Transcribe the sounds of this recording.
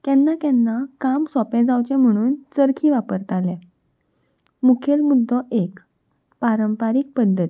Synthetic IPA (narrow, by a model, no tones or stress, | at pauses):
t̪ɛnːak̪ɛnːakamsɔpɛ̃d͡zawt͡ɕɛ̃m̤əɽ̃uːnt͡səɾkʰiʋapəɾt̪alɛ̃ | mukʰjelmud̪ʱːɔʔek | paɾəmpaɾik̚pəd̪ʱːət̪i